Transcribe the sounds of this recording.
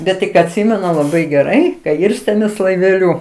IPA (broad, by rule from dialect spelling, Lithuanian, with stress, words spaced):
bʲɛt tʲɪk ɐtʲˈsʲɪmʲɛnʊ lˠɐˈbɐɪ ɡʲɛˈrɐɪ kɐ ˈɪrʲsʲtʲeːmʲeːs lˠɐɪʋʲɛˈlʲʊ